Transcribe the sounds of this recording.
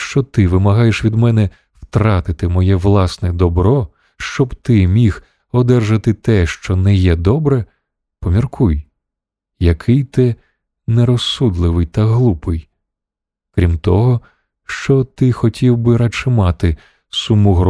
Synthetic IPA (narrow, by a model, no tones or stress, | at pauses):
ʃt͡ʃɔt̪ɪʋɪmɐɦɑjeʃʋʲid̪mɛnɛ | w̥t̪ɾɑt̪ɪt̪ɪmɔjɛʋlˠɑsnɛd̪ɔbɾɔ | ʃt͡ʃɔbt̪ɪmʲix | ɔd̪ɛrʒɐt̪ɪt̪ɛʃt͡ʃɔnɛjɛd̪ɔbɾɛ | pɔmʲirkuj | jɐkʰɪjt̪ɛ | nɛɾɔsud̪lˠɪʋɪjt̪ɐɦlˠupɪj | kɾʲimt̪ɔɦɔ | ʃt͡ʃɔt̪ɪxɔtʲʰiwbɪɾɐt͡ʃɪmɑt̪ɪ | sumuɦɾ